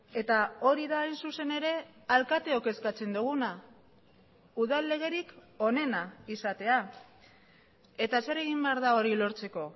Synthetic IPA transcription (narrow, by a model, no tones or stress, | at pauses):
e̞t̪ao̞ɾiðaːjnsuse̞ne̞ɾe̞alkat̪e̞oke̞skat͡se̞nd̪uɣ̞una | uðalːe̞ɣ̞e̞ɾik | o̞ne̞naisat̪e̞a | e̞t̪ase̞ɾe̞ɣimbe̞aɾðao̞ɾilo̞ɾt͡se̞ko̞